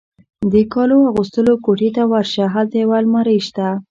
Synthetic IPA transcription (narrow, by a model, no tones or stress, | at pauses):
d̪əkɑloaɣust̪əlokoʈet̪awaɾʃaɦat̪ewalmaɾəjʃt̪a